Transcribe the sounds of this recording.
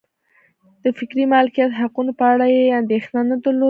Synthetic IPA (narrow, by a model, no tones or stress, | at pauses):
d̪̥əfɪkɾimɑlɪkijat̪ɦaqunopəaɽajeand̪exnanəd̪əɾlo